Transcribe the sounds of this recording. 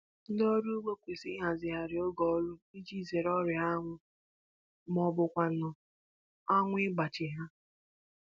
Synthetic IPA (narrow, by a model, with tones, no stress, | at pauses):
n̩˦dɔ˦ɾu˦ɡ͡be˦kʷi˨sɪ˦ɦa˨zɪ˨ɦa˨ɾɪ˨o˦ɡɔ˨˦lʊ˦i˦d͡ʒi˦˨ze˨ɾɔ˦ɾɪ˨a˦ŋʷʊ˦ | mɔ˨bʊ˨kʷa˨n̩˨˦ɔ˨ | a˦ŋʷʊ˦ɪ˦ɡ͡ba˨t͡ʃɪ˨ɦa˦